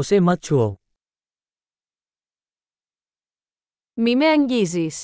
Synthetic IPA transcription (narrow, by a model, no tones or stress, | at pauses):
ʊsemɐt̪̚t͡ʃʰuo | mimeəŋɡiːzis